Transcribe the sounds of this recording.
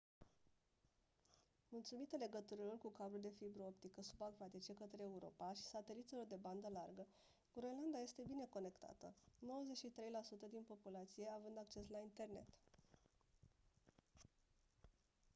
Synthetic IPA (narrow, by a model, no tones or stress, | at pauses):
mult̪sumit̪əle̞ɡət̪uɾilo̞rkukabɾuld̪e̞fibɾoopt̪ikəsu̥baɡvat̪it͡ʃe̞kət̪ɾeːuɾo̞̰paʃi̥sat̪e̞lit̪silo̞rd̪e̞band̪əlarɡə | ɡɾoenland̪aje̞st̪e̞bine̞ko̞ne̞kt̪a̰t̪ə̰no̞wəze̞tʃit̪ɾe̞jlasut̪əd̪inpo̞pulat̪sije̞avɨnd̪ak̚t͡ʃe̞slaint̪e̞rne̞̰t̪